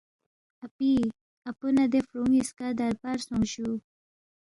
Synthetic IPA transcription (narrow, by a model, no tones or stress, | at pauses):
api | apunad̪efɾuŋiskad̪aɾpaɾsuŋʃu